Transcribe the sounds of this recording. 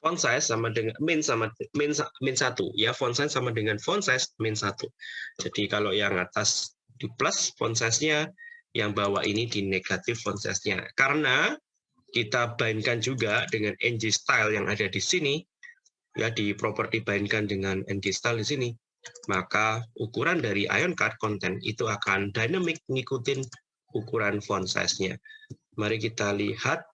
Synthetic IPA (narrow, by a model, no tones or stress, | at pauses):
fɔnsajsːamadəŋamɪnsamamɪnsamɪnsat̪ṵjafɔnsasamadəŋanfɔnsɛsmɪnsat̪ud͡ʒ̥adikalojaŋa̰t̪as | d̥iplasfɔ̰nsasɲajaŋbawaʔinidineɡ̥at̪ɪfːɔnsɛ̰sɲa̰kaɾəna | kit̪abaɪnkand͡ʒuɡad̥əŋanɛnd͡ʒist̪ajljaŋʔadadisini | jʔadipɾopərt̪ibaɪnkandəŋanɛ̰nd͡ʒist̪aldisini | makaukuɾandaɾiʔa̰jɔnkat̪̚kɔnt̪ɛnḭt̪uakandanəmɪk̚ŋikut̪ɪn | ukuɾanfɔnsa̰jsɲa̰ | maɾikit̪alihat̪̚